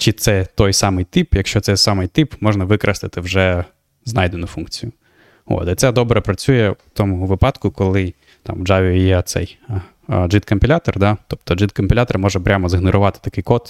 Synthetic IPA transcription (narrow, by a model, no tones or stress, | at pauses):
t͡ʃɪt̪sɛt̪ɔjsɑmɪjt̪ɪpjɐkʃt͡ʃɔt̪sɛsɑmɪjt̪ɪpmɔʒnɐʋɪkɾʔɐst̪ɪt̪ɪwʒɛ | znɑjd̪enʊfunkt͡sʲijʊ | o̰t̪ɐt̪sɛd̪ɔbɾɛpɾɐt͡sʲujɛt̪ɔmʊɦʋɪpɑt̪kʊkɔlˠɪ | t̪ɑ̰mwd͡ʒɑʋʲiijɛt̪sɛ̰j | d͡ʒɪt̪kɐmpʲilʲat̪ɔrd̪ɑt̪ɔp̚t̪ɔd͡ʒɪt̪kɐmʲpʲilʲat̪ɔrmɔʒɛpɾʲʔamɔzɪɦnɔɾʊʋɑt̪ɪ̥t̪ɐkɪjkɔt̪